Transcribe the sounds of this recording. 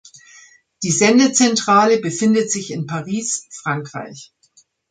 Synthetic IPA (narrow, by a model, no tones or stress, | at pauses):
d̥iːzɛndət͡sɛntʁ̥aːləbəfɪndətz̥ɪçɪnpʰaʁiːsfʁ̥aŋkʁ̥a̰ɪç